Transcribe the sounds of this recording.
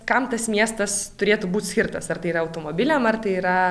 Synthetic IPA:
kɐmt̪ɐsmʲiɛst̪ɐst̪ʊɾʲeːt̪uːbuːt̪ʲsʲkʲɪɾt̪ɐsɐrt̪ɐɪiɾɐɐʊt̪oːmoːbʲɪlʲɛmɐrt̪ɐɪiːɾɐ

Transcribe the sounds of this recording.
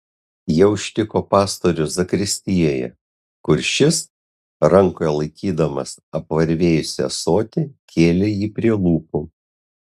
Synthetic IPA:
jiɛʊʃʲt̪ʲɪkoːpɑːst̪oːɾʲʊzɐkɾʲɪsʲt̪ʲijɛjɛ̰ | kʊɾʃʲɪs | ɾɐŋkoːjɛlˠɐɪkʲiːd̪ɐmɐsɐpʋɐɾʲʋʲeːjʊsʲɛ̰soːt̪ʲɪkʲeːlʲejiːpʲɾʲiɛlˠuːpʊ

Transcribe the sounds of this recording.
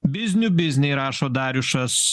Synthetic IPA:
bʲɪzʲnʲuːbʲɪzʲnʲɛɪɾɑːʃoːd̪ɑːɾʲʊʃɐs

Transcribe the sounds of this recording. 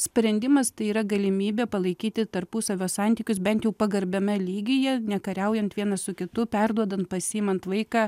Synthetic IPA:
sʲpʲɾʲɛnʲd̪ʲɪmɐst̪ɐɪiːɾɐɡɐlʲɪmʲiːbʲeːpɐlˠɐɪkʲiːt̪ʲɪt̪ɐɾpʊsɐʋʲoːsɑnʲt̪ʲiːkʲʊsbʲɛnt̪jɛʊpɐɡɐɾʲbʲɛmʲɛlʲiːɡʲɪjɛnʲɛkɐɾʲɛʊjɛnt̪ʋʲiɛnɐsʊkʲɪt̪ʊpʲɛɾd̪uɔd̪ɐnt̪̚pɐsʲɪːjɪmɐnt̪ʋɐɪkɑ

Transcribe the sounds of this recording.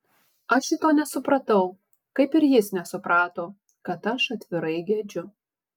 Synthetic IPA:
ɐʃɪt̪oːnʲɛsʊpɾɐt̪ɐʊ | kɐɪpɪɾjɪsnʲɛsʊpɾɑːt̪oː | kɐt̪ɐʃɐt̪ʲʋʲɪɾɐɪɡʲɛd͡ʒʲʊ

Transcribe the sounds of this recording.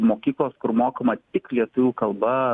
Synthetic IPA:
moːkʲiːklˠoːskʊɾmoːkɐmɐt̪ʲɪklʲiɛt̪ʊʋʲuːkɐlˠbɐ

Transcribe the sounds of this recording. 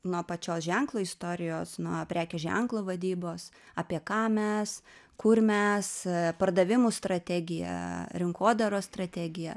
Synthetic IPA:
nuɔpɐt͡ʃʲoːsʒʲæŋklˠoːist̪oːɾʲɪjoːsnuɔpʲɾʲæːkʲɛːʒʲæ̰ŋklˠoːʋɐd̪ʲiːboːs | ɑpʲiɛkɑːmʲɛs | kʊrmʲɛspɐrd̪ɐʋʲɪmuːst̪ɾɐt̪ʲæːɡʲɪjɛ̰ɾʲɪŋkoːd̪ɐɾoːst̪ɾɐt̪ʲæːɡʲɪjɛ̰

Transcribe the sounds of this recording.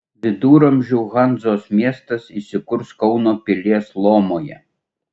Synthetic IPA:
ʋʲɪd̪uːɾomʒʲʊʊɣɑnd̪zoːsmʲiɛst̪ɐsisʲɪkʊɾskɔʊnoːpʲɪlʲiɛslˠoːmoːjɛ̰

